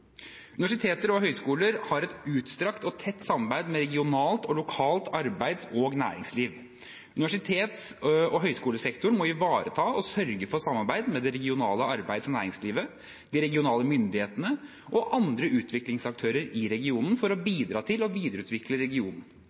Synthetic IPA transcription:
ʉnɪʋæʂɪt̪ʰeːt̪əɾɔɦœʏskuːləɾhɑɾɛt̪ʉːt̪st̪ɾɑkt̪ɔt̪ʰɛt̪ːsɑmːɑɾbæɪd̪mɛɾɛɡɪʊnɑːlt̪ɔlʊkʰɑːlt̪ɑɾbæɪd̪sɔɡnæ̰ːɾɪŋsliːʋ | ʉnɪʋæʂɪt̪ʰeːt̪sɔɦœʏskuːləsɛkt̪ʊɳmɔɪʋɑːɾət̪ʰɑːɔsœɾɡəfɔsɑmːɑɾbæɪd̪mɛd̪ɛɾɛɡɪʊnɑːləɑɾbæɪd̪sɔnæ̰ːɾɪŋsliːʋə | d̪̥ɪɾɛɡɪʊnɑːləmʏnd̪ɪheːt̪ənə | ʔɔʔɑnd̪ɾəʔʉːt̪ʰʋɪklɪŋsɑk̚t̪ʰøːɾəɾɪɾɛɡɪuːnən̩fɔɾɔbiːd̪ɾɑːt̪ʰɪlɔʋiːd̪əɾʉːt̪ʋɪkləɾɛɡɪuːnn̩

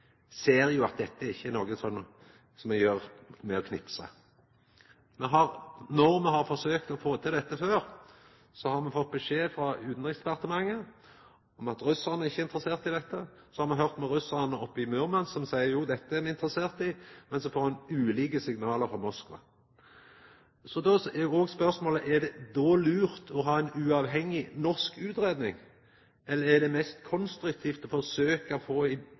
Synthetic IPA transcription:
seːɾjʊɑt̪̚d̪ɛt̪ːəæɾɪçːəɛnoːɡəsɔm | sɔmɛjøːʁmɛɔkʰnɪpsə̰ | mɛɦɑɾnɔɾmɛɦɑɾfɔsøːkt̪ɔfoːt̪ʰɪld̪ɛt̪ːəføːɾ | sɔhɑɾmɛfɔt̪̚bɛʂeːfɾɑʉːt̪nɾɛksd̪ɛpɑʁt̪əmɑŋːə | ɔmɑt̪ɾʉsːɑʁnəæʁɪçːəɪnt̪ɾəseːʁt̪ɪd̪ɛt̪ːə | sɔhɑɾmɑnɦœʁt̪mɛɾʉsːɑʁnəɔpːɪmʉʁmɑnsɔmsæɪəɾjuːd̪ɛt̪ːəæmɛɪnt̪ɾəseːʁt̪ɪmɛnsɔfoːɾmɑnʉːliːkəsɪɡnɑːləɾfɔmɔskʋɑ̰ | sɔd̪ɔɛjoːɡspœʁsmoːləʔɛd̪ɛd̪ɔːlʉːɾt̪ʰɔɦɑːɛɪnʉɑːʋhɛŋːɪnɔskʉːt̪ɾeːd̪nɪ̰ŋ | ɛlːəɾɛd̪ɛmɛst̪kʰɔnst̪ɾʉk̚t̪ʰiːft̪ɔfɔʁsøːkəfoːɪ

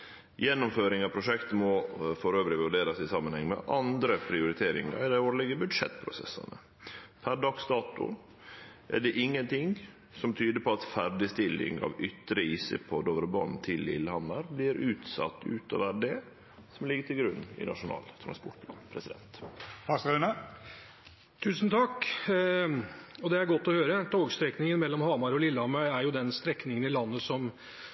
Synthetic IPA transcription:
jɛnːʊmføːɾɪŋɑʋpʰɾʊʂɛkt̪mɔfɔɾøːʋɾɪʋʉɖeːɾɑsɪsɑmːənhɛŋːmɛ̰ʔɑnd̪ɾəpʰɾɪʊɾɪt̪ʰeːɾɪ̰ŋɑ̰ɪd̪æɪoːɾlɛɡəbʉd̪ʂɛ̰t̪ːpʰɾʊsɛsɑ̰nə | p̪ʰæɖɑksd̪ɑːt̪ʊ̰ | ʔæɖɛʔɪŋːənt̪ɪŋ | sɔmt̪ʰyːd̪əpʰɔɑt̪fæɾɖɪst̪ɪlːɪ̰ŋɑ̰ʋʏt̪ːɾəiːsəpʰɔd̪oʋəɾbɑnt̪ʰɪlːɪ̰lːhɑməɾbliːɾʉːt̪sɑ̰t̪ːʉ̰ːt̪ɔ̰ʋæɖeː | sɔmlɪɡːəʈ̪ʰɪlɡɾʉnːɪ̰nɑ̰ʂʊnɑ̰ːlt̪ʰɾɑ̰nspʊʈlɑnpʰɾɛsɪd̪ɛnt̪hɑsɾɪnə | t̪ʰʉːsnt̪ʰɑkː | ɔd̪ɛæɾɡɔt̪ːɔhøːɾət̪ʰoːɡst̪ɾɛknɪŋənmɛlːɔmhɑːmɑɾɔlɪlːhɑmɑʏæɾjʊd̪ɛnst̪ɾɛknɪŋənɪlɑnːəsɔm

